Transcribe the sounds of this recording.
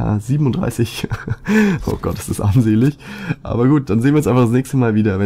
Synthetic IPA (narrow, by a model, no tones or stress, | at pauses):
a̰ziːbm̩ʊnd̥ʁa̰ɪsɪç | o̰ːɡ̥ɔt̚d̥ḁsɪstʔanzeːlɪçʔa̰ːbɐɡuːt̚d̥anzeːnviːɛsʔaɪfadasnɛːçstəmaːlviːdɐvɛ